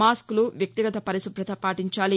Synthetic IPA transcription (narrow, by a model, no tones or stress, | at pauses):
aːskluʋjɐkk̚t̪iɡɐt̪ɐpɐɾisubɾɐt̪ʰɐpaːʈiɲt͡ʃaːli